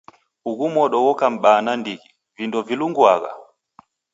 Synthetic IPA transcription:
uɣumɔɗɔɣɔkam̩ɓanandiɣi | vindɔviluŋɡwaɣa̰

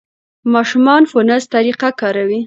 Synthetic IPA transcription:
mɑʃumɑnfʊnəst̪aɾiqakɑɾawi

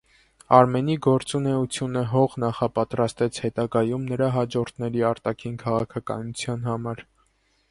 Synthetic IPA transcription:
ɑɾmɛniɡɔɾt͡sunɛut͡sʰjunəɦɔʁnɑχɑpɑt̪ɾɑst̪ɛt͡sʰhɛt̪ɑɡɑjumnəɾɑɦɑd͡ʒɔɾt̪ʰnɛɾiɑɾt̪ɑkʰinkʰɑʁɑkʰɑkɑ̰nut͡sʰjɑnɦɑmɑɾ

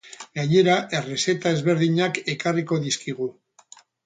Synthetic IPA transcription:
ɡaɲe̞ɾaʔe̞rese̞t̪ae̞zβe̞ɾðiɲake̞kariko̞ðiskiɣu

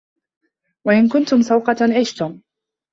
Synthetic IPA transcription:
waʔɪnkʊnt̪ʊmsɑwqɑt̪anʕɪʃt̪ʊm

